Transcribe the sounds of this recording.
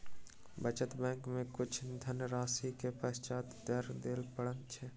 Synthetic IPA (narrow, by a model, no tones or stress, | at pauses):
bət͡ʃət̪bɛ̃ːŋkmẽkʊt͡ʃʰd̪ʱənəɾaːsikepəst͡ʃaːt̪d̪əɾd̪eːlpəɽənt͡ʃʰɛ